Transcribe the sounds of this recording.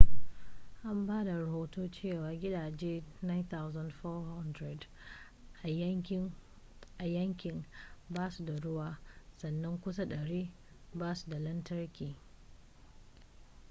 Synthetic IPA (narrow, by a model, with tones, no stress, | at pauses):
ʔa˦mbaː˦da˨ɾɐ˨hoː˦toː˦t͡ʃeː˦˨waː˨ɡʲɪ˦daː˨d͡ʒeː˦na˦jnt̪a˦wza˦ndfɔː˦ha˦ndɾɛ˨d | ʔa˨ | ʔa˨jɐ˦ŋkʲɪ˨nbaː˦su˨da˨ɽʊ˦waː˨sɐ˨nːɐ˦ŋkʷʊ˦sa˦ɗɐ˨ɽiː˦ | baː˦su̥˨da˨lɐ˦ntɐ˦rkʲiː˨